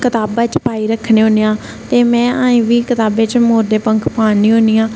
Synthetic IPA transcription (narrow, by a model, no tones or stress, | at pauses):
kɪt̪aːbaːt͡ʃpaːiːɾəkʰːneːɦoːnejãː | t̪eːmɛ̃ːaːĩːʋiːkɪt̪aːbeːt͡ʃmoːɾd̪eːpəŋkʰpaːnĩːɦoːniːãː